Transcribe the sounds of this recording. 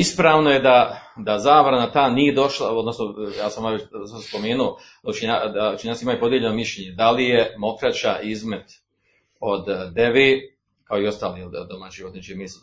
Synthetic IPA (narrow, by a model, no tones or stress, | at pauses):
ispɾaːʋno̞je̞d̪ad̪azaːʋɾanat̪aːnije̞d̪o̞ʃlˠao̞d̪nosnojaːsamaesaspo̞meːnuo | d̪ut͡ʃiɲad̪aut͡ʃiɲaːtsimaːjupo̞d̪jeʎe̞no̞miʃʎeɲe̞d̪alijemo̞kɾat͡ɕaʔizme̞t̪ | o̞d̪ːe̞ʋeː | kao̞io̞st̪aːlijld̪omat͡ɕiot̪nit͡ʃimisl